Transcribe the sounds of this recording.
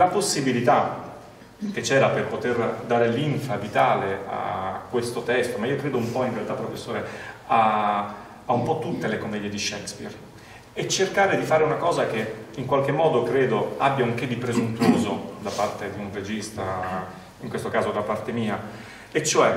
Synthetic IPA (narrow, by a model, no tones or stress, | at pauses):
laposːibilit̪a | k̟et͡ʃːɛːɾaperpot̪erd̪aːɾeliɱfavit̪aːlea̰kːwest̪ot̪ɛst̪omaiːokɾeːd̪oumpɔinrealt̪apːɾofesːoːɾea | aumpɔt̪ːut̪ːelekomɛːd̪jed̪iʃɛkspḭr | ɛt͡ʃːerkaːɾed̪ifaːɾeunakɔːzak̟eiŋkwalkemːɔːd̪okɾeːd̪oabjauŋk̟ed̪ːipɾezunt̪uuːzod̪apart̪ed̪iunred͡ʒist̪a | iŋkwest̪okaːzod̪apart̪emiːa | ɛt͡ʃːoɛ